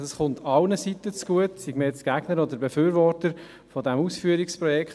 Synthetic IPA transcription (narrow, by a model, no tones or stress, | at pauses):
ɑsχʊntʰɑlnəsitət͡sɡ̥uətsiɡməjɛt͡sɡ̥æɡ̥nəɾɔd̪əɾbefyːɾʋɔɾtəɾ | fɔdɛmuːsfyːəɾikspɾɔjɛkχt